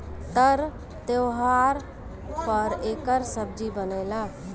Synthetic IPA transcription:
t̪əɾ | t̪ewɦaɾ | pəɾekəɾsəb̚d͡ʒibənɛla

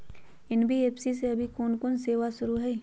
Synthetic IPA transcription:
ɪnbʱieːpsis̬eɐbʱikoːnkoːnseːʋasʊɾuɦɛː

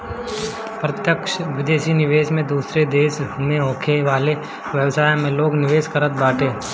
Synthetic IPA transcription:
pɾɐt̪jəkʃʋɪd̪eːʃinɪʋeːʃmẽd̪uːsɾed̪eːʃmẽɦoːkʰeʋaːle | ʋjəʋsaːj̃mẽloːɡnɪʋeːʃkəɾət̪̚baːʈʰeː

